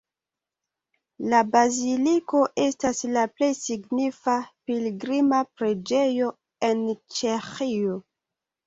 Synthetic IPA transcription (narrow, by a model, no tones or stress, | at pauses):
labaziliko̞ʔe̞staslaple̞jsiɡnifapiliɡɾimapɾe̞d͡ʒe̞jo̞ | e̞nt͡ʃe̞xio̞